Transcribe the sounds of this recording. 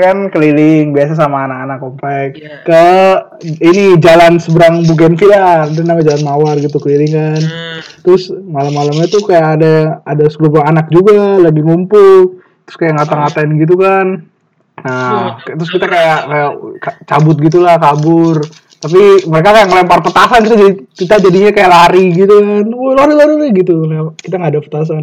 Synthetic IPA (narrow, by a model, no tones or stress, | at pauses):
kankəlilɪŋbias̬as̬amaːnakanakompak | kə | inid͡ʒalansəbəɾaŋbuk̬ɛnfiladanamad͡ʒalanmawarɡit̪ukəlilɪŋkant̪ɾʊsmalamːalamɲat̪ukajaʔːdaːdasəlubaŋanak̚d͡ʒuɡalaɡiŋumpʊl | t̪ɾʊskajaʔŋɡat̪aŋat̪anɡit̪̬ukan | əkt̪ɾʊskit̪akajakajakat͡ʃabʊt̪̚ɡit̪̬ulahkabʊr | t̪apiməɾekakajaməlemparpət̪asankit̪ad͡ʒadit͡ʃit̪ad͡ʒadiɲakajaʔlaɾiɡit̪ukanɔlaɾilaɾiɾaɡit̪̬ukajakit̪aŋɡaːdapə̥t̪as̬an